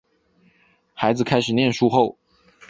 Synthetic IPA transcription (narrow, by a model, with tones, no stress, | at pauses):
xa˧˥ɪd͡zɹ̩˨kʰa˥ɪʂɻ̩˨˩njɛ˥˩nʂu˥xo˥˩ʊ